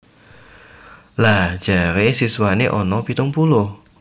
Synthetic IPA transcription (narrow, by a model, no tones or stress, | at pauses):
lahd͡ʒ̥aɾesiswaneʔɔnɔpit̪ʊŋpulʊh